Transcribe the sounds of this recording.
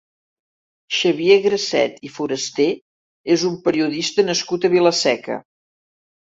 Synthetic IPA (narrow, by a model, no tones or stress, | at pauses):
ʃəβieɣɾəsɛ̰t̪ifuɾəst̪e | ezumpəɾiuðist̪ənəskut̪əβiləsɛkə̰